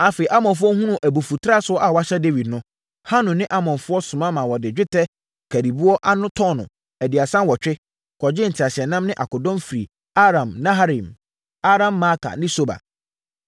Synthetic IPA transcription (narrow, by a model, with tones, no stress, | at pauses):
a˨˦fe˨i˨ʔa˦mɔ̃˨nfʊ˦ɔ˦hũ˦nũ˦˨ʔæ˨bu˨fu˨tʰɾa˦sʊ˦ɔ˦ʔa˨wa˦ɕɛ˦de˦wi˨dnʊ̃˦ | ha˦nʊ̃˨nɪ̃˦ʔa˦mɔ̃˨nfʊ˦ɔ˦sʊ̃˨mã˦mã˨wɔ˨dɪ˨d͡ʑᶣɪ˦tʰɛ˦ | kʰæ˨ɾi˨bu˦ɔ˦ʔa˦nʊ̃˦tʰɔ˦nʊ̰̃˨ | æ˨dɪ˨a˨sã˦nwɔ˨t͡ɕᶣɪ˦ | kʰɔ˨d͡ʑɪ˦n̩˨tʰɪ˨a˨ɕɪ˨ɛ˨nã˦mnɪ̃˦ʔa˨kʊ˨dɔ̃˦mfɾi˨ | a˦ɾã˨mnã˦ɦa˦ɾĩ˨m | a˦ɾã˦mːa˦kʰa̰˨nɪ̃˦so˦ba̰˨